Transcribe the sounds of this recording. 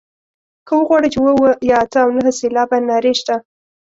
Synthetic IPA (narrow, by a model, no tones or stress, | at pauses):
kəwəɣwɑɽət͡ʃewəwəjɑat̪əawnəɦəselɑbanːɑɾeʃt̪a